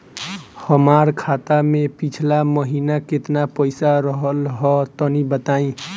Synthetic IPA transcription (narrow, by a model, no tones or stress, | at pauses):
həmaɾkʰat̪amepit͡ʃʰlaməɦinaket̪napəɪsaɾəɦəlɦɔt̪ənibət̪aːĩ